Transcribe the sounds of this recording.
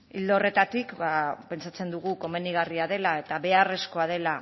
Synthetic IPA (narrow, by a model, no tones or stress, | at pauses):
ild̪o̞re̞t̪at̪ikbape̞nt͡sat͡se̞nd̪uɣ̞uko̞me̞niɣariaðe̞lae̞t̪aβe̞are̞sko̞að̞e̞la